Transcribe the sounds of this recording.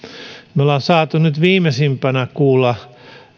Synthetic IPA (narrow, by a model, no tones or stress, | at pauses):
miolɑːnsɑːt̪unyt̪ʋiːmesimpænækuːlːɑ